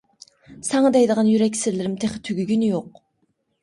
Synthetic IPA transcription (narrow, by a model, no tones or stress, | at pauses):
sɛŋɑd̪ɛjd̪əʁɑnjyɾɛkʲsɪɾlɪɾɪmt̪ʰeχt̪ʰyɡʲyɡʲynɪjoq